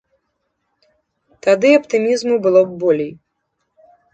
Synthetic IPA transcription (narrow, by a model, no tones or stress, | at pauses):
t̪ad̪ɨɐpt̪ɨmʲizmubɨlˠɔbɔlʲej